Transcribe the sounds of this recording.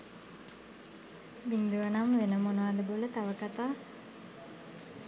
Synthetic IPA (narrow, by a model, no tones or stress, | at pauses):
biŋd̪uʋənamʋenəmonəʋad̪əbolət̪aʋəkat̪aː